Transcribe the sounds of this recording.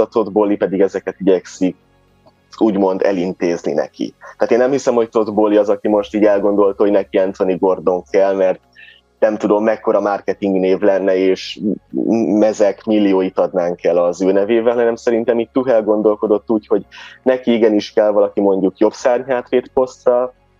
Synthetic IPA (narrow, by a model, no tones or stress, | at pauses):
ɒt̪o̞d̪bo̞lipɛd̪iɡɛzɛkɛt̪iɟɛksik̚ | uːɟmo̞nd̪ɛ̰lint̪eːznḭnɛ̰kḭt̪aːt̪eːnːɛmhisɛmho̞c̚t̪o̞d̪boliɒzɒkimo̞ʃt̪iːɟɛlɡo̞nd̪o̞lt̪ɑho̞ɟnɛkiɛnt̪o̞niɡo̞rd̪o̞ŋkʰɛlːmɛrt̪ | nɛmt̪ud̪o̞mːɛkːo̞ɾɒmarkɛt̪iŋɡneːvlɛnːɛeːʃ | mɛzɛkmilːijoːjit̪ɒd̪naːŋkɛlɒzøːnɛveːvɛlɦɒnɛmsɛɾint̪ɛmiːt̚t̪uɦɛlɡo̞nd̪o̞lko̞d̪o̞t̪ːuːcho̞ɟnɛkiiɡɛniʃkɛlvɒlɒkimo̞ɲɟukjo̞bsaːrɲɦaːt̪ʋeːt̪po̞st̪rɒl